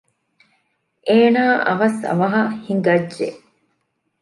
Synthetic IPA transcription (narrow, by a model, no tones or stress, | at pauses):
ʔeːnaːʔɐ̰ʋɐsɐ̰ʋɐɦɐhiŋɡɐd͡ʒːḛ